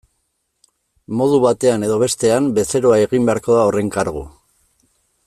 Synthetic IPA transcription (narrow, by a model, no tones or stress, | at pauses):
mo̞ð̞uβat̪e̞ane̞ðo̞βe̞st̪e̞ambe̞se̞ɾo̞ae̞ɣimbe̞aɾko̞ðao̞re̞ŋkaɾɣṵ